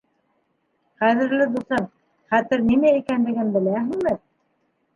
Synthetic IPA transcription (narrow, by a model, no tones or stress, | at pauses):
χæðɘ̆ɾlɘd̪usɑn | χæt̪ɘɾninæikænlɘ̆ɡɘnbɘ̆læɦɘ̆ŋmɘ